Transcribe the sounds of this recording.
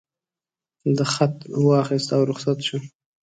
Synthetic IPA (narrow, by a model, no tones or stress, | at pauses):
d̪əxat̪̚wɑxist̪awɾʊχsat̪ʃu